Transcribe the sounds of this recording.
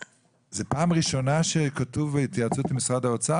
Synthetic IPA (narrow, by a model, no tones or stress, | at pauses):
zepaːmʁiʃo̞naʃekatuvːeit̪jat͡sut̪amisʁadaot͡sa